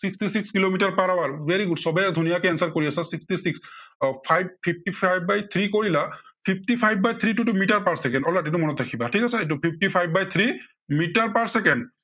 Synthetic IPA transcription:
sikstisikskilomitaɹpaɹawaɹveɹiɡudsɔbɛk̚dʱunijakɛɛnsaɹkoɹiasɛsikstisikspʰajb̚pʰip̚tipʰajbːajt̪ʰɹikoɹilapʰip̚ʰtipʰajbːajt̪ʰɹitutumiʈaɹpaɹsɛkɛndɔlatɛtumɔnɔtɾakʰibatʰikasɛetupʰip̚ʰtipʰajbːajt̪ʰɹi | mitaɹpaɹsɛkɛnd

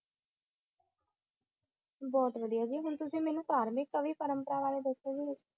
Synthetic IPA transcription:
bɔːt̪ʋəd̪ijaːd͡ʒiːɦʊnt̪ʊsĩːmɛ̃ːnũːt̪aːɾmɪkːəʋiːpəɾəmpəɾaːʋaːleːd̪əsed͡ʒi

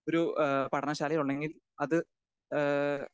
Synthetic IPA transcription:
oɾupɐɽɐnɐɕaːlɐjluɳːeŋɡil | ɐðɨ

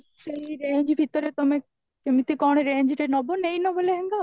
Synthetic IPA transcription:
ʃejɾeɲd͡ʑbʱit̪oɾet̪ome | kemit̪ikɔɽ̃eɾeɲd͡ʑʈenɔbonejnɔboleɦeŋɡa

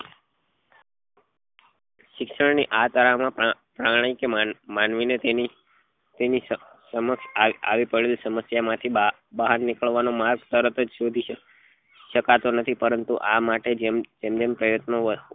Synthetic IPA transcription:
ʃɪkʃəɳniʔat̪əɾamã | pɾaɽ̃aikemanʋineei | t̪eni | səməkʃaa̰ʋipəɽelsəməsjamãt̪ʰi | baɦaɾnikəɭʋanomaɾɡt̪əɾət̪əd͡ʒsod̪ʱi | ʃəkat̪onət̪ʰipəɾənt̪uʔamaʈed͡ʒd͡ʒemd͡ʒempɾəjət̪no

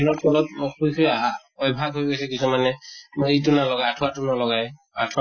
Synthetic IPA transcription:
nɔt̚pɔlɔthojkʰɔj | ɔjbʱaɡɦojɡojsɛkisumanɛejt̬unalɔɡajatʰuatʊnɔlɔɡaj | atʰa

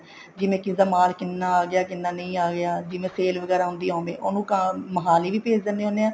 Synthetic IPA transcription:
d͡ʒɪmẽːkɪd̪aːmaːlkɪnːaːaːɡɪjaːkɪnːaːnəĩːaːɡɪaːd͡ʒɪʋẽːseːlʋəɡɛːɾaːɦʊ̃nd̪iːõːʋḛ̃ːʔoːnũːkaməɦaːliːʋiːpeːd͡ʒd̪ənːeːoːneːaː

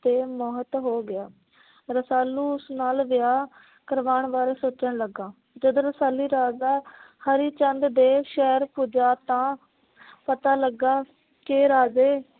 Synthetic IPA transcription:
t̪eːmɔːɦət̪ɦoːɡɪaː | ɾəsaːlːuːʊsnaːlʋɪjaː | kəɾʋaːɳʋaːɾeːsoːt͡ʃəɳləɡãː | d͡ʒəd̪õːɾəsaːliːɾaːzaːhəɾiːt͡ʃənd̪d̪eːʃɛːɾpuːd͡ʒaːt̪ãː | pət̪aːləɡaː | keːɾaːd͡ʒeː

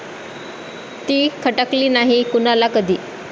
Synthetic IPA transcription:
t̪iːkʰəʈəkliːnaɦikunalakəd̪ʱiː

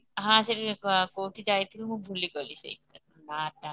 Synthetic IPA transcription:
ɦãseɾkoːʈʰid͡ʒajt̪ʰilmũbʱuliɡɔlisḛi | naːʈa

